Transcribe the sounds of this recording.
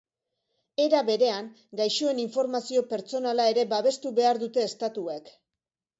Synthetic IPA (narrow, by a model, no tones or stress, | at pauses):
e̞ɾaβe̞ɾe̞aŋ | ɡajʃue̞niɱfo̞ɾmasio̞pe̞ɾt͡so̞nalae̞ɾe̞baβ̞e̞st̪uβe̞aɾðut̪e̞ːst̪at̪uek